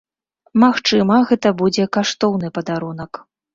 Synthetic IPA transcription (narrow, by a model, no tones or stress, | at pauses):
maxt͡ʂɨmɐɣɛt̪ɐbud͡zʲɛkaʂt̪ɔwnɨpɐd̪aɾun̪ɐk